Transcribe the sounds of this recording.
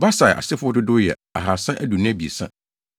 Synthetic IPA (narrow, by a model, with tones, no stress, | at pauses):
ba˦sa˨ʔa̰˨sɪ˦fʊ˦ɔ˦dɪ˦dʊ˦jɛ̰˨ | a̰˨ɦa˨sã˦ʔæ˦du˨nɪ̃˦æ˦bi˨e˨sã̰˦